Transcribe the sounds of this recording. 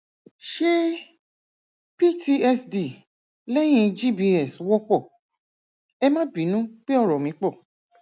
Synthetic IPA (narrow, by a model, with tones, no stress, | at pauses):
ʃe˦ | pi˦tʰi˧ɛ˧sdi˨ | lɛ˦j̃ĩ˧d͡ʒi˦˨bi˧ɛ˦˨swɔ˦k͡pɔ˦˨ | ɛ˧mã˦bi˨˦nũ˦k͡pe˦ɔ˦˨ɾɔ˨mĩ˨˦k͡pɔ˦˨